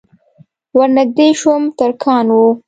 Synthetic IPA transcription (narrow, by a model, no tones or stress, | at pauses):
waɾnaɡ̚d̪eʃumt̪aɾkʰɑːnwu